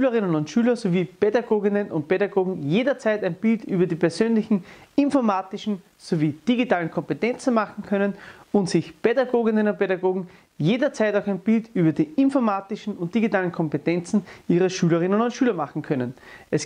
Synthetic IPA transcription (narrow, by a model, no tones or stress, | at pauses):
yːləʁɪnənʊntʃyːlɐsoviːpedaɡoːɡɪnənʊ̰nt̚pʰeɾaɡoːɡŋ̩jeːdɐt͡sæɪtæɪnb̥ɪltyːbɐdiːpʰɛɐzøːnlɪçn̩ɪnfɔɐmaːtɪʃn̩ | soviːd̥iɡitaːlən̩kʰɔ̃mpetɛnt͡sn̩maχn̩kʰœnənʊntsɪçpedaɡoːɡɪnə̃nʊnt̚pʰeɾaɡoːɡŋ̩ | jeːdɐt͡sæɪtaʊxæɪnb̥ɪltyːbɐdiːʔɪnfɔɐmaːtɪʃn̩ʊnt̚d̥iɡitaːlən̩kʰɔmpetɛnt͡sn̩ʔiːʁəʃyːlɐʁɪnənʊntʃyːlɐmaχŋ̩kʰœnənʔɛs